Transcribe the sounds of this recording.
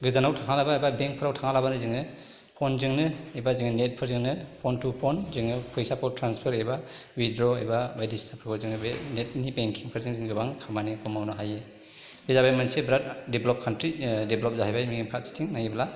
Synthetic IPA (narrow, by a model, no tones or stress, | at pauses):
ɡɯzanawtʰaŋalabaːjbabeŋk̚pʰɯɾawtʰaŋalabanɯziŋnɯ | pʰɔnzɯŋnɯibaziŋnɯnet̚pʰɯɾziŋnɯpʰɔntupʰɔnzɯŋnɯpʰɯjsapʰɔwtɾanspʰɯɾejbawidɾɔajbabajdistʰapʰɯkɔziŋnɯbenet̚nibeŋkʰiŋpʰɯɾziŋziŋɡɯbaŋkʰamanikʰɔmawnɯɦaje | bizabajmansebɾat̚debʱlɔp̚kʰantɾideblɔp̚zaɦajbajmiŋimpʰat̚si̥tʰiŋnajibla